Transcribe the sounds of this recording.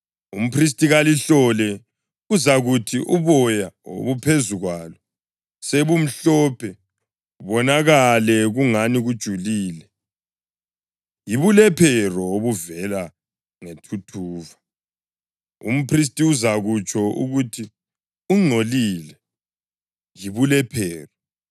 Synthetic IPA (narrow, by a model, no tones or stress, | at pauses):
um̩pʰris̬tʼiɣaliɬɔlɛ | uzaɣutʰiʔuβɔjao̰βupʰezuɣwalɔ | seβum̩ɬɔːpʰɛ | βɔnaɣalɛɣuŋaniɣud̥ʒ̥ʱuliːlɛ | jiβulɛpʰɛrɔoβuvɛla | ŋetʰutʰuːva | ṵm̩pʰris̬tʼiuzaɣut͡ʃʰʼɔṵɣutʰi | uŋ͡ǀʱolilɛ | jiβulɛpʰɛːrɔ